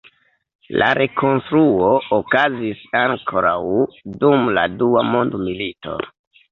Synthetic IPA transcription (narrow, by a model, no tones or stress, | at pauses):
laɾʔe̞kʰo̞nstɾuookazisaŋkʰo̞ɾawdumla̰duamo̞ndmilito̞̰